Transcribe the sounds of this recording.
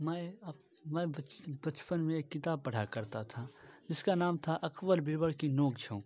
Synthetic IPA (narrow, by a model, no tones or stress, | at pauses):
mɛ | mɛ̃bɐt͡ʃpənmẽeːkːɪt̪aːb̚pɐɽ̤akɐɾt̪at̪ʰad͡ʒɪskanaːmt̪ʰaʔɐkbəlbɪɾbəɽkinoːɡd͡ʒʰõː